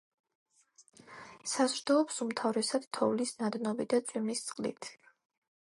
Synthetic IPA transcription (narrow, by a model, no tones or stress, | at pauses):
sazɾd̪ɔɔpsumt̪ʰavɾɛsad̪̥t̪ʰɔvlisnad̪nɔbid̪at̪sʼwimlist̪sʼqʼlḭt̪ʰ